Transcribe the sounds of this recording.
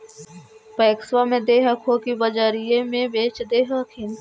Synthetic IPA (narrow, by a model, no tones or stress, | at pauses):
pɐːkswamẽd̪eːɦəkʰɦoːkibəd͡ʒaːɾijẽmẽbeːt͡ʃd̪eːɦəkʰɪn